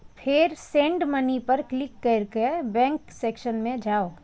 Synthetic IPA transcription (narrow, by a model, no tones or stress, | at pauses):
pʰɪɾsẽɳɖmɐnipɐɾklɪkːeɾkebɛ̃ːŋkseːkʃənmẽd͡ʒaːoː